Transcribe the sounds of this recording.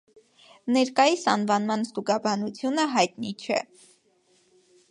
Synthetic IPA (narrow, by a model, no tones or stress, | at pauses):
nɛɾkɑjisɑ̰nvɑnmɑnst̪uɡɑbɑnut͡sʰjunəɦɑjt̪nit͡ʃʰɛ̰